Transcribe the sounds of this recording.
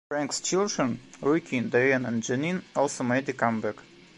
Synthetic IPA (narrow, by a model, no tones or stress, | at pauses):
fɹæ̃ŋkst͡ʃɪlˠdɹə̃nɹukʰĩnd̪eə̃nɛ̃nd͡ʒɛnĩnɔlˠsomeɪd̪ɨkãmbɛk